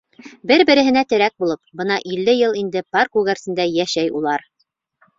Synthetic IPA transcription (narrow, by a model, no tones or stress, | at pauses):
bɘɾbɘ̆ɾɘ̆ɦɘ̆næt̪ɘ̆ɾæk̚bulˠɤp̚bɤnɑʔilːɘjɤlˠind̪ɘparkʉɡæɾsɘ̆nd̪æjæʃæjṵlˠɑɾ